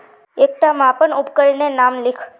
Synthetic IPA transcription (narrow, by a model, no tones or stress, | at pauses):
ek̚ʈamãpəɳupkəɭnenamlɪkʰ